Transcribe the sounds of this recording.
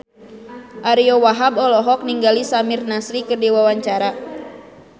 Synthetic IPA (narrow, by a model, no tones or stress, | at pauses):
ʔaɾiɔwaɦabɔlɔɦɔk̚niŋɡalisamɪrnasɾikɨrdiwawaɲt͡ʃaɾa